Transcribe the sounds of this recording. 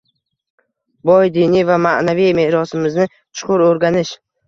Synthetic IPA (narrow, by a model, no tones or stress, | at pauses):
bɒjd̪inijvamanavijmehɾɒsɪmɪznɪ | t͡ʃʰʊ̥qʊɾoɾɡʲanɪʃ